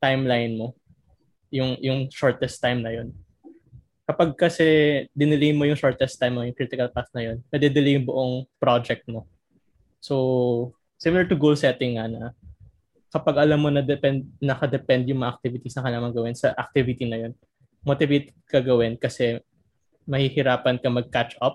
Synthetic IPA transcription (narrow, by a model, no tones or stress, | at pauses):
t̪ajmlajnmo̞ | jʊŋjʊŋʃoɹt̪ɛst̪ːajmnɐjo̞n | kɐpɐɡ̚kɐsɛd̪ɪnɪlejmo̞jʊŋʃoɹt̪ɛst̪ajmnojʊŋkɾit̪ɪkɐlpasnɐjo̞nmɐd̪ɛd̪ɪlijʊŋbʊʔoŋpɾod͡ʒɛk̚t̪̚mo̞ | so | simɪlɐɹt̪ʊɡowlsɛt̪ɪŋːanɐ | kɐpɐɡʔɐlɐmːo̞nɐd̪ɛpɛnd̪̚nɐkɐd̪ɛpɛnd̪jʊŋmɐŋɐʔɐk̚t̪ivɪt̪isnɐkɐlaːmɐŋɡɐwɛnsɐʔɐk̚t̪ivɪt̪inɐjo̞n | mot̪ɪvet̪ɛd̪̚kɐɡɐwɛnkɐsɛ | mɐhihɪɾaːpɐnkɐmɐɡ̚kat͡ʃʔɐp̚